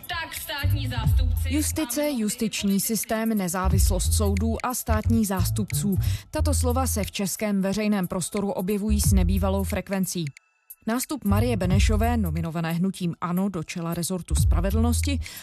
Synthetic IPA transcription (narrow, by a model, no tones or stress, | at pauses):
t̪akst̪aːt̪ɲizaːst̪upjust̪ɪt͡sɛjust̪ɪt͡ʃɲiːsɪst̪ɛːmnɛzaːvɪslo̞st̪so̞wduːʔast̪aːt̪ɲiːxzaːst̪upt͡suːt̪at̪o̞slo̞vasɛft͡ʃɛskɛːmvɛrɛjnɛːmpɾo̞st̪o̞ɾuʔo̞bjɛvujiːsnɛbiːvalo̞wfɾɛkvɛnt͡siː | naːst̪upmaɾɪjɛbɛnɛʃo̞vɛːno̞mɪno̞vanɛːɦnuciːmʔano̞do̞t͡ʃɛlaɾɛzo̞ɾt̪uspɾavɛdl̩no̞scɪ